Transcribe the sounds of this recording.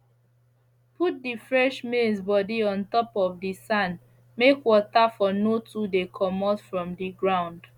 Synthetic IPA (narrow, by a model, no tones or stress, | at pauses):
pʰut̚difɹɛʃmesbɔdiɔ̃ntɔpɔvdisãn | mekwɔtafɔnotudekʰɔmɔtfɹɔ̃mdiɡɹãʊ̃nd